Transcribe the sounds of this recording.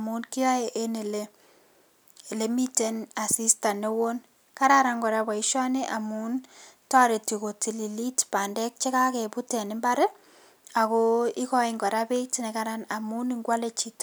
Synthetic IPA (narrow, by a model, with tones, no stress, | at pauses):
amu˦nki˦ɔ˦eʔe˦ne˨le˨ | le˨mi˦te˨na˨si˦sta˨ne˦wo˦n | ka˦ɾaɾa˨ŋɡɔ˨ɾaba˨iʃɔ˦ne˦ʔa˨muntɔ˦ɾe˨ti˨ko˨ti˨li˨li˦tpa˨ndɛ˦k̚t͡ʃe˦ka˦ke˨pu˦tɛ˨nɪ˦mba˦ɾe˦ | a˨ko˦i˦kɔ˦ɪŋɡɔ˨ɾape˦tne˨kaɾana˨mu˦niŋɡwa˦le˨t͡ʃi˦t